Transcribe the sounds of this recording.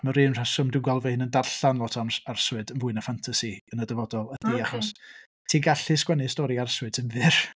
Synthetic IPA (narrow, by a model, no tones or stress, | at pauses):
məɾɨnr̥asʊmdʊɡalˠvɛhɪnəndarɬanlˠɔtʰansarswɨdənvʊɨnafantʰasiənədəvɔdɔlˠəθiaχɔs | tʰiːɡaɬɨskwɛnɨstɔɾiarswɨdsənvɨr